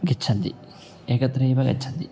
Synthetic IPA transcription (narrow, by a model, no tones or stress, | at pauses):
ɡit͡ɕʰɐnd̪ḭ | eːkɐt̪ɾijːʋɐɡɐ̰t͡ɕʰːɐnd̪i